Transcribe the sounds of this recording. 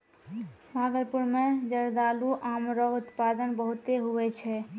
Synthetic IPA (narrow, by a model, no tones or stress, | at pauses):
bʱaɡəlpuɾmed͡ʒəɾd̪aluʔamɾoɡut̪pad̪ənbəɦut̪eɦuɛt͡ʃʰɛ